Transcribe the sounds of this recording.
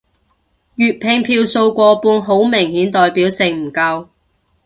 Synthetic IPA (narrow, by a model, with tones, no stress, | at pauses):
jyː˨˧t̚pʰɪ˧ŋpʰiː˧wso˧wkʷɔː˧puː˧nɦo˨˥wmɪ˨˩ŋhiː˨˥nt̪ɔː˨jpiː˨˥wsɪ˨˩ŋm̩˨˩kɐ˧w